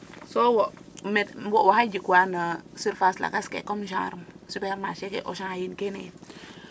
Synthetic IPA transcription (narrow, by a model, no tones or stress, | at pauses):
sowometwowahad͡ʒikwanasiɾfasla̰kaskḛkomʃa̰ɾumsupeɾmaʃekḛʔo̰ʃãajinkenḛ